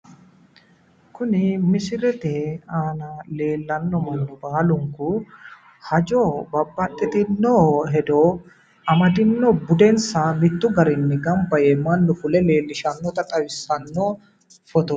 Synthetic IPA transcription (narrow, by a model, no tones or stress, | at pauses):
kʊnɪmɪsɪɾɛt̪ɛaːnɐle̞ːlːɐnːɔmɐnːɔbaːlʊŋkʊ | hɐd͡ʒɔːbɐbːɐt̪ʼːɛt̪ɪnːoːɦɛd̪oː | ɐmɐd̪ɪnːɔbʊd̪ɛnsɐmɪt̪ːʊɡɐɾɪnːɛɡɐmbɐjeːmɐnːʊfʊlɛle̞ːlːɪʃɐnːɔt̪ɐt̪ʼɐwɪsːɐnːɔ | fɔt̪ɔ